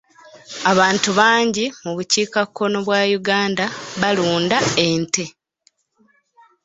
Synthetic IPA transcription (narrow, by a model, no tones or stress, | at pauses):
aβaːntuβaːɲɟimuβuciːkakʰːo̞no̞βwaːjuɡaːndaβaluːndae̞nte